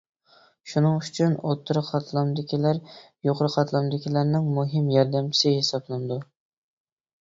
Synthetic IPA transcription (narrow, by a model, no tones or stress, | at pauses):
ʃunɨŋyt͡ʃʰynot̪ʰːɨɾɨqʰɑt̪ʰlˠɑmd̪ɪkʲʰilæɾ | joqɾɨqʰɑt̪lˠɑmd̪ɪkʲʰilæɾnɪŋmuɦɪmjɑɾd̪ɛmt͡ʃʰi̥sɪhesɑblˠɨnɨd̪u